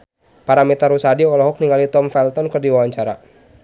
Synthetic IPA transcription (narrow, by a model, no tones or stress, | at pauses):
paɾamɛt̪aɾusadiɔlɔɦɔk̚niŋalit̪ɔmfɛlt̪ɔnkərdiwawaɲt͡ʃaɾa̰